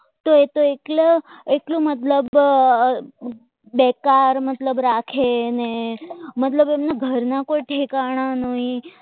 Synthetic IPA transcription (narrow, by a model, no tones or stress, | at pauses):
t̪oet̪oekleklũmət̪ləb | bɛkaɾmət̪ləbɾakʰenemət̪ləbemnaɡʱəɾnakoiʈʰekaɽ̃ãnəɦĩ